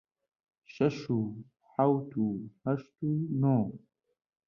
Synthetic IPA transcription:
ʃɐʃuː | ħawt̪ʰuːhɐʃt̪uːnoː

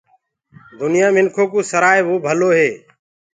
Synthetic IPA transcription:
d̪ʊnɪjãːmɪnkʰoːkuːsəɾaːeʋoːbʱəloːɦeː

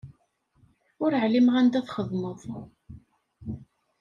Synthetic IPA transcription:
ʊɾəʕlimʁænd̪æθχəðˤməðˤ

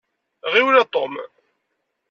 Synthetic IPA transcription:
ʁiwnɑt̪ˤom

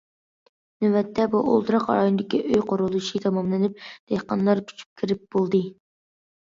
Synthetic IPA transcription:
nɪwɛt̪ʰːɛbuʔo̰lˠt̪ɨɾɑqɑ̰ɾɑjonɨd̪ɪkʲiʔøjqʰoɾulˠuʃit̪ʰɑmɑmlɪnɪp̚d̪̥eqɑnlˠɑɾkʲʰy̥t͡ʃʰy̥p̚kʲʰiɾɪp̚b̥olˠd̪ɨ

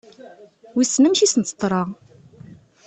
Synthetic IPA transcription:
wisnəmʃisənt̪ːə̥t̪ˤːɾˤɑʁ

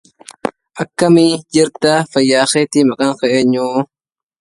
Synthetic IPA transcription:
ʔɐkːɐmɪd͡ʒɪɾt̪ɐfɐjːaːxeːt̪ɪmɐkʼɐŋxɛʔeːɲːuː

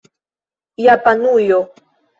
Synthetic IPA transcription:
japanujo

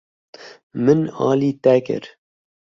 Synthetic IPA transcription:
mɨnɑ̰ːliːt̪ɛkɨ̰ɾ

